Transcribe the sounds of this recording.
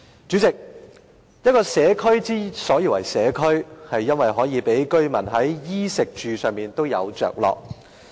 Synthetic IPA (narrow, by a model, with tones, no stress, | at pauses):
t͡ʃyː˨˥t͡sɪ˨k̚ | jɐ˥t̚kɔː˧sɛː˨˥kʰɵ˥ɥt͡siː˥sɔː˨˥jiː˨˩wɐ˨˩jsɛː˨˥kʰɵ˥ɥhɐ˨jːɐ˥nwɐ˨jɦɔː˨˥jiː˨˧pe˨˥jkɵ˥ɥmɐ˨˩nɦɐ˨˥jjiː˥sɪ˨k̚t͡ʃyː˨sœː˨˧ŋmiː˨˩nt̪o˥wjɐ̰˨˧wt͡ʃœ̰ː˨k̚lɔ̰ː˨k̚